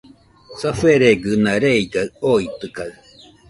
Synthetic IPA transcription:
safeɾeɡɯnaɾeiɡaɯoit̪ɯkaɯ

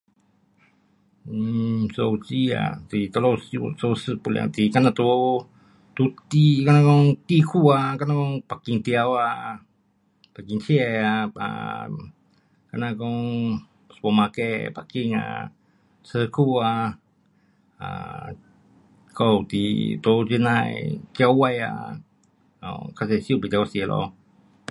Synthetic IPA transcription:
sowt͡ʃia̰t̪it̪olosusosəpul̰a̰t̪ikanat̪u | t̪ut̪ikanakoŋt̪ikʰuakanakɔŋpakiŋt̪iawa | pakiŋt͡ʃieaa̰ | kanakɔŋ | spɔmakɛpakiŋa̰ | səkua | a̰ | kɔwt̪ḭt̪ot͡ʃinaj̰kiawaja̰ | a̰kasɛsiupit͡ʃawsilɔ̰

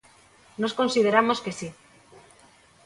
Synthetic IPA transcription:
nosko̞nsið̞eɾamo̞ske̞si

